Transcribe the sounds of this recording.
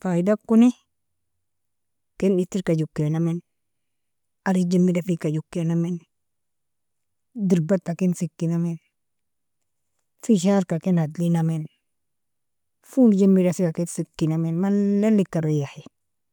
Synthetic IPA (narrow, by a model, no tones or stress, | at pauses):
faidakːuni | kɛnitːiɾkad͡ʒukːenamen | aɾid͡ʒemːidafikad͡ʒukːenamen | diɾbat̪ːakinsikːinamen | fiʃ̬aɾkakenadlinamen | fuld͡ʒemːiɾasikakensikːinamenmalelːikːaɾojahi